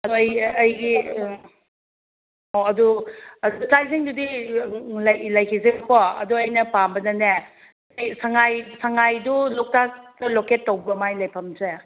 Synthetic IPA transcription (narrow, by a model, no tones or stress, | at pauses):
ɐduɐjɐjɡi | ɔɐduɐdtajseŋdudi | lɐjlɐjkʰizekʰɔɐ̰duɐjnɐpambɐdɐne | jsaŋajsaŋajdulɔk̚tastɐloketːowbɐmajlɐjpʰɐmse